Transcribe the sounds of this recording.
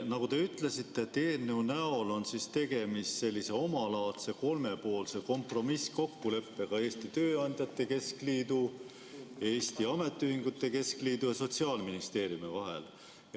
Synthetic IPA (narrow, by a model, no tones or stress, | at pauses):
nɑɡut̪e̞yt̪le̞sit̪ːˑe̞t̪e̞ːnːeunæo̞lo̞nsist̪e̞ɡ̥e̞misse̞lʲːise̞o̞mɑlɑːt̪se̞ko̞lme̞po̞ːlse̞ko̞mpro̞misko̞kːule̞pːe̞kɑe̞ːst̪it̪øːɑnʲd̪̥ʲjɑt̪ːˑe̞ke̞skliːd̪u | e̞ːst̪iɑme̞t̪ːˑyhiŋɡ̥ut̪ːˑe̞ke̞skliːd̪̥ujɑso̞t̪siɑːlminist̪e̞ːɾjumivɑɦḛl